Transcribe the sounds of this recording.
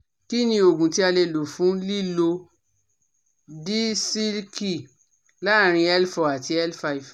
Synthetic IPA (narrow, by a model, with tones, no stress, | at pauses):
ki˦nĩ˧o˨ɡũ˨ti˨˦a˧le˧lo˨fũ˨˦li˦lo˧ | di˦si˦lki˦˨ | la˦˨ɾ̃ĩ˧ɛ˦lfɔ˨a˨ti˧ɛ˦lfa˧i˨v